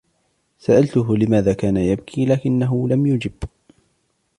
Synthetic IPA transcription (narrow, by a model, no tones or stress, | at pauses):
saʔalt̪ʊɦʊlɪmaːðaːkaːnajabkʰiːlaːkɪnːaɦʊlamjʊd͡ʒɪb̥